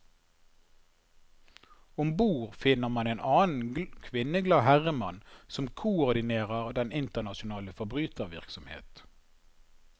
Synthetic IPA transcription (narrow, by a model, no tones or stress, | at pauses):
ʊmbuːʁfɪnəʁmɑneːnʔɑːn̩kʰʋɪnəɡlɑːhæʁəmɑnsɔmkʰʊɔʁd̪ɪneːʁəʁd̪ɛnɪnt̪əʁnɑʃʊnɑːləfɔʁbʁyːt̪əʁʋɪ̰ʁksɔmhḛːt̪